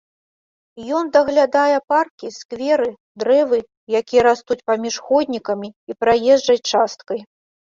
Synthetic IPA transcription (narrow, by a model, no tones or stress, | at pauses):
jɔnd̪ɐɣlʲad̪ajɛparkʲiskvʲɛɾɨ | d̪ɾɛvɨ | jakʲijɐɾast̪ut͡sʲpamʲiʂxɔd̪ʲnʲikɐmʲiipɾajɛʐd͡ʐɐt͡sʲt͡ʂast̪̚kɐj